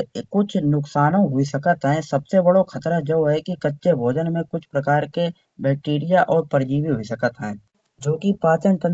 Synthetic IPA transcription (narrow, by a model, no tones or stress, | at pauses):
kʊt͡ʃʰnʊksaːnõɦʊisəkət̪ɦɛ̃sɐbsebɐɽokʰɐt̪ɾad͡ʒɐwɦɛkikɐtːʃebʱoːd͡ʒənmẽkʊt͡ʃʰpɾɐkaːɾke | bɛːk̚ʈeːɾijaʔɔːɾpəɾd͡ʒiːʋiɦʊisɐkət̪ɦɛ̃ː | d͡ʒoːkipaːt͡ʃənkə̃